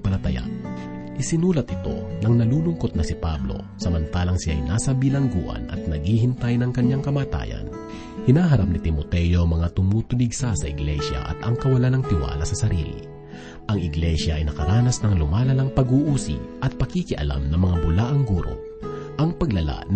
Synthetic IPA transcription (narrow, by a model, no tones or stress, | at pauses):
pɐlɐt̪ɐja̰ | ʔɪsɪnuːlɐt̪ɪt̪o̞̰nɐŋnɐluːlʊŋkot̪̚nɐsɪpablo̞̰ | sɐmɐnt̪aːlɐŋsɪja̰jnaːsɐbɪlɐŋɡṵːʔɐ̰nɐ̰t̪̚nɐɡiːhɪnt̪ajnɐŋkɐɲaŋkɐmaːt̪a̰ːjɐ̰n | hɪnaːɦɐɾap̚nɪt̪ɪmot̪ɛjo̞mɐŋat̪ʊmuːt̪ʊlɪɡsasɐʔɪɡlɛʃjɐ̰ʔɐ̰t̪ʔɐŋkɐwɐlanɐŋt̪ɪwa̰ːlɐsɐsɐɾḭːlḭ | ʔɐŋɪɡlɛʃjɐʔɐjnɐkɐɾaːnɐsnɐŋlʊmaːlɐlaŋpɐɡuʔuːsḭʔɐt̪̚pɐkikɪʔɐ̰la̰mnɐŋmɐŋabʊlaːʔɐŋɡuːɾo̰ | ʔɐŋpɐɡlɐla̰n